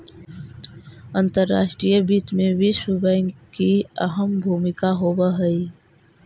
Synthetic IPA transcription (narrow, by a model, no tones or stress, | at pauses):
ənt̪əɾːa̰ːʃʈɾijəbiːt̪mẽʋisubənkiəɦəmbʱuːmɪkaɦoːbəɦəi